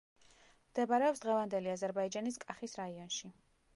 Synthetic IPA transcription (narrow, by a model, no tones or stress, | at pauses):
md̪̥ɛbaɾɛɔpsd̪ʁɛvand̪ɛliazɛɾbaid͡ʒaniskʼaχisɾaiɔnʃi